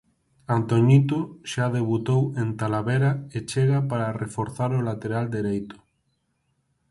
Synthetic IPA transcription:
ant̪oɲit̪oʃaðeβut̪owent̪alaβeɾaet͡ʃeɣapaɾarefoɾθaɾolat̪eɾald̪eɾejt̪ʊ̥

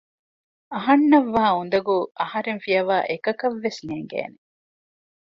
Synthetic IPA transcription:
ɐɦɐnːɐʋːaːund̪ɐɡuʔɐhɐɾenfijɐʋaːʔekɐkɐʋːesneːŋɡḛːne

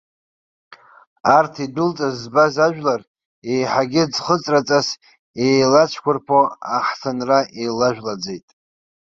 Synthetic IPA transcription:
artʰidʊlt͡sʼazːbazaʒᶣlar | ejħaɡʲɪd͡zχət͡sʼrat͡sʼas | ejlat͡ʃʷʰkʷʊrpʰoa̰ħsʰanraʔejlaʒᶣlad͡zejtʼ

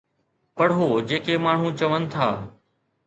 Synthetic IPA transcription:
pəɽɦoːd͡ʒeːkeːmaːɳ̤ũːt͡ʃəʋənɪ̆t̪ʰaː

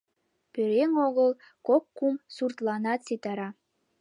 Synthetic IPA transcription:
pøɾeŋoɣəl | kokːumsurt̪lɑnɑt̪set̪ɑɾɑ

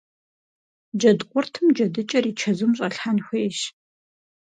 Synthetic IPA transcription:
d͡ʒɐdqʷʼʊrtʰɨmd͡ʒɐdɨt͡ʃʼɐriːt͡ʃʰɐzumɕʼɐɬħanxʷejʃ

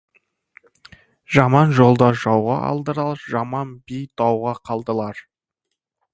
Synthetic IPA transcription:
ʒɑmɑnʒo̞lˠd̪ɑʒɑwʁɑʔɑ̰lˠd̪əɾəlˠɾʒɑmɑnbijt̪ʰɑwʁɑqʰɑlˠd̪əlˠɑɾ

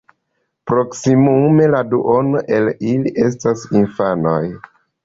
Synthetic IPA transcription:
pɾo̞ksimume̞laduʔo̞noʔe̞liliʔe̞s̬tasinfano̰j

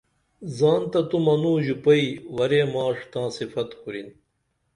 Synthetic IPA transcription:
zaːnt̪ɐt̪umɐnuːʑupɐiwɐɾeːmaːʂt̪ãːsifɐt̪xuɾin

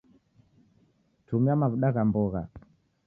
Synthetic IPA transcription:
tumiamavuɗaɣambɔɣa

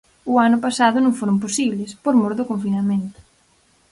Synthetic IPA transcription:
ʊanʊpasaðʊnõŋfoɾʊmp̬osiβlespoɾmoɾðʊkoɱfinamẽnt̪ʊ̥

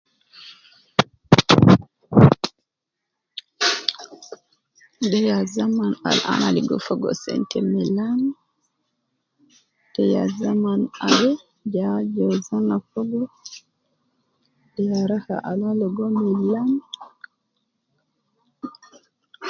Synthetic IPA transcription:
dɛjazamana̰lʔa̰naliɡɔfɔɡɔ̰sɛ̰ntɛmɛlan | d̥ɛja̰zamanabɛ | d͡ʒad͡ʒɔzanafɔɡɔ | dɛjaɾaha̰ʔalalɔɡɔmɛlan

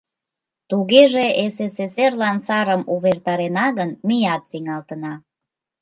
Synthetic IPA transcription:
t̪uɣeʒeeseseserlɑnsɑɾəmuβert̪ɑɾenɑɣənmijɑt̪siŋɑlt̪ənɑ

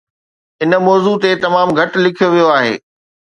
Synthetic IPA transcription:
ɪnəmɔːzut̪et̪ɐmaːmɡʱɐʈlɪkʰijoʋijoaːɦḛː

